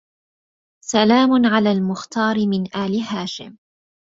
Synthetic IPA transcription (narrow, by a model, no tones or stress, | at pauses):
salaːmʊnʕalaːlmʊxt̪ɑːɾɪmɪnʔaːlɪɦaːʃɪ̰m